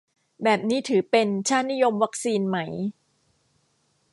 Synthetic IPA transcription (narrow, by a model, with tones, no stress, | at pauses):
bɛː˨˩p̚niː˦˥t̪ʰɯː˩˦pe˧nt͡ɕʰaː˥˩nnːi˦˥jo˧mwa˦˥k̚siː˧nma˦˥j